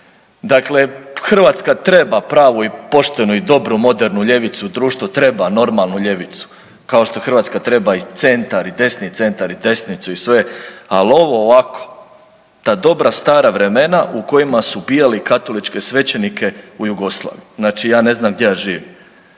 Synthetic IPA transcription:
d̪akle̞xr̩ʋaːt̪skat̪ɾe̞bapɾaːʋuipo̞ʃt̪e̞nuid̪o̞bɾumo̞d̪eɾnuʎe̞ʋit̪sud̪ɾuːʃt̪ʋot̪ɾe̞bano̞ɾmalˠnuʎe̞ʋit̪su̥ | kao̞ʃt̪o̞xr̩ʋaːt̪skat̪ɾe̞bait̪se̞nt̪aɾid̪e̞snit̪se̞nt̪aɾid̪e̞snit̪suisʋe̞alo̞ʋoːʋakʰo̥ | t̪aːd̪o̞bɾast̪aːɾaʋɾe̞me̞nauko̞jimasubijalikat̪o̞lit͡ʃke̞sʋe̞t͡ɕe̞nikʰe̞ujuɡo̞slˠa̰ːʋijuznaːt͡ʃijaːne̞znamɡ̚d̪ʲjeaʒiːʋim

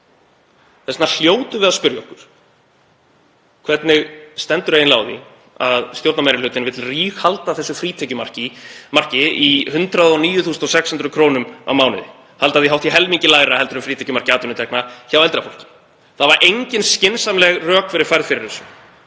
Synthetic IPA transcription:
θɛsnal̥joːwt̪ʏvɪðaðspʏɾjɔhkʏɾ̥ | kʰvɛt̪nɪɣst̪ɛnt̪ʏɾajɪnlaːwði | aðst̪jowɾt̪namajɾɪlʏːt̪ɪnvɪt̪ɪlriːxhalt̪aθɛsːɪfɾiːt̪ʰɛcʏmar̥cɪmar̥cɪihʏnt̪ɾaðɔniːjʏθuːsnɔsɛkshʏnt̪ɾʏkʰɾoːnʏma̰wmaːwnɪ̰ðɪ | halt̪aðθiɦawt̪ʰiɦɛlmiɲcɪlaːjɾahɛlt̪ʏɾʏmfɾiːt̪ʰɛ̥cʏmar̥cɪaːt̪ʏnʏt̪ʰɛknaçawɛlt̪ɾafol̥cɪ̥ | θaðvaɾʔejɲcɪnscɪnsamlɛɣrœːkfɪɾɪɾ̥fajɾðfɪɾɪɾθɛsːʏm

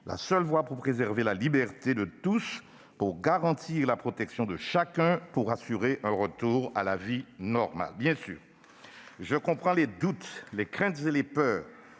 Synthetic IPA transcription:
la̰sœlvwapuʁpχezɛʁvelalibɛʁt̪ed̪ət̪us | puʁɡaʁɑ̃t̪ʰiʁlapχot̪ɛksjɔ̃d̪əʃakɛ̃puʁasyʁeʔɛ̃ʁət̪uʁa̰lavinɔʁma̰lbjɛ̃sy̰ːʁ | ʒəkɔ̃pχɑ̃led̪ut̪lekχɛ̃t̪zelepœːʁ

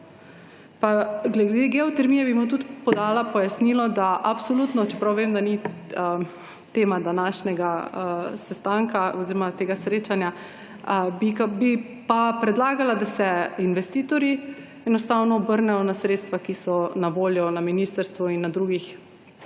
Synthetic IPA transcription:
paɡlɛd̪eɡɛɔt̪ɛɾmijɛbimut̪ut̪pɔd̪aːlapɔjasnilɔd̪aʔapsolut̪nɔt͡ʃɛpɾawʋemd̪aniə | t̪eːmad̪anaːʃnɛɡaəsɛst̪aŋkaoziɾɔmat̪eːɡasɾeːt͡ʃanja | bikabi | papɾɛd̪laːɡalad̪asɛinʋɛst̪iːt̪ɔɾi | ɛnɔst̪aːwnɔbəɾnɛjɔnasɾet̪st̪ʋakisɔnaʋoːljɔnaminiːst̪əɾst̪ʋɔinːad̪ɾuːɡix

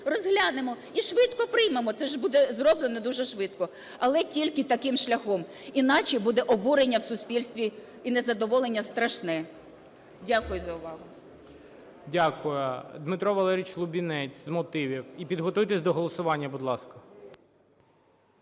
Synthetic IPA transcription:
rɔzɦlʲanemɔ | iʃʋɪt̪kɔpɾɪjmemɔt̪sɛʒbud̪ɛzrɔblˠenɔd̪uʒɛʃʋɪt̪kɔ | ɐlˠɛtʲilʲkɪt̪ɐkɪmʃlʲɐxɔminɑt͡ʃibud̪ɛʔɔbuɾenʲːɐwsʊspʲilʲst̪ʲʋʲi | inɛzɐd̪ɔʋɔlˠenʲːɐst̪ɾɐʃnɛ | dʲakʊjʊzɐʊʋɑɦʊ | dʲakʊjʊd̪mɪt̪ɾɔʋɐlˠɛɾʲit͡ʃlˠʊbʲinɛt͡sʲzmɔt̪ɪʋʲiwipʲid̪ɦɔt̪ujt̪esʲd̪ɔɦɔlˠɔsʊʋɑnʲːɐbʊd̪lˠɑskɐ

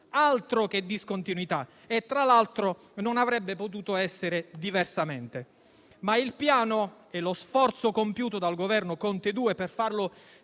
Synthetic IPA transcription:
alt̪ɾok̟ed̪ːiskont̪inwit̪a | et̪ːɾalalt̪ɾo | nonavɾɛbːepot̪uːt̪oɛsːeɾed̪iversament̪e | mailpjaːno | ɛlosfɔrt̪sokompjuːt̪od̪alɡovɛrnokont̪ed̪uːeperfarlo

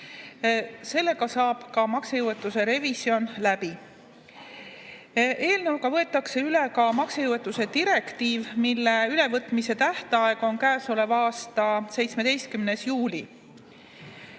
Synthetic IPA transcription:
se̞lːe̞kɑsɑːb̥kɑmɑksejuwe̞t̪ːˑuse̞ɾe̞visio̞nlæb̥i | ʔe̞ːlneulkɑvɤe̞t̪ːˑɑkse̞yle̞kɑmɑksejuwet̪ːˑuse̞d̪iɾe̞kt̪iːvmilːe̞yle̞vɤt̪ːˑmise̞t̪æht̪ɑe̞ɡ̥o̞nkæːsole̞vɑːst̪ɑse̞jt̪sme̞d̪e̞jst̪̚kymne̞sjuːlʲḭ

